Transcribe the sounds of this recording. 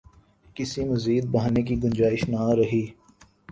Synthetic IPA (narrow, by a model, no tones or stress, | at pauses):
kɪsimɐziːd̪̚bɐɦaːnekiɡɐ̃nd͡ʒaːɪʃnaɾɐɦiː